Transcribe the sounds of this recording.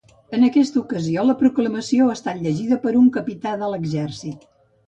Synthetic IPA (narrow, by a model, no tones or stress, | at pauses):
ənəkɛst̪əukəzioləpɾukləməsioəst̪at̪ʎəʒiðəpəɾuŋkəpit̪aðələɡzɛrsit̪̚